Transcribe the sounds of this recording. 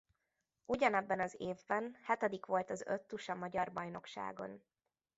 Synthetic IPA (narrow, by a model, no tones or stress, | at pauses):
uɟɒnɛbːɛnɒzeːvbɛnhɛt̪ɛd̪ikʋo̞lt̪ɒzøt̪ːuʃɒmɒɟɒrbɒjno̞kʃa̰ːɡo̞̰n